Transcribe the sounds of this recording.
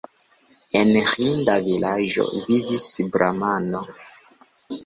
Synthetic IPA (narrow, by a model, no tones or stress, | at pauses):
enxindavilad͡ʒo̰vivisbɾʔamano